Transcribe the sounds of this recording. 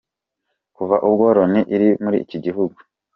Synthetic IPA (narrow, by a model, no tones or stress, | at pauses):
kuvaʔubɡoːɾoniʔiɾimuɾḭciɟiɦuɡu